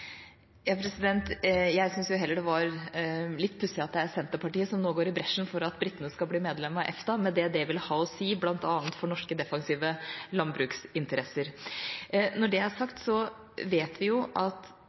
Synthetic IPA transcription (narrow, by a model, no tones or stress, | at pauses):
jɑːpʰɾɛsɪd̪ɛnt̪jæɪsʏnsjʊɦɛlːəɖɛʋɑɾlɪt̪ːpʰʉsɪɑt̪̚d̪ɛæsɛnt̪əpɑʈiːəsɔmnoːɡoːɾɪbɾɛʂn̩fɔɾɑt̪bɾɪt̪ːənəskɑbliːmeːd̪lɛmːɑʔɛ̰ft̪ɑmɛnd̪ɛd̪ɛʋɪlhɑːɔsiːblɑnt̪ɑːnt̪fɔɳɔʂkəd̪ɛfɑŋsiːʋəlɑnbɾʉːksɪnt̪əɾɛsəɾ | nɔɖɛæɾʂɑkt̪sɔ | ʋeːt̪ʋɪjʊʔɑt̪